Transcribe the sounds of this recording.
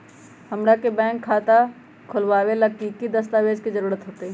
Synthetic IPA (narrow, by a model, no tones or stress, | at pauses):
hɐmɾakebɛ̃ːŋkʰːaːt̪a | kʰʊlʋaːwelɐɡ̚kikid̪əst̪aʋeːd͡ʒkizəɾuːɾət̪ɦoːt̪eɦɛ